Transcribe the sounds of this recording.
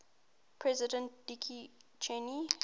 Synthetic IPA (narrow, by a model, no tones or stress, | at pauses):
pʰɹɛzidə̃nt̚d̥ikʰi | t͡ʃʰeni